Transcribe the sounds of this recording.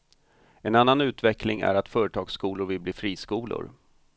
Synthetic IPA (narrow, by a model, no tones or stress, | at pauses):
ɛnanːanʉ̟ːt̪vɛklɪŋæ̰ɾat̪fœːɾət̪ʰɑːɡskuːlʊɾvɪlbliːfɾiːskuːlʊ̰ɾ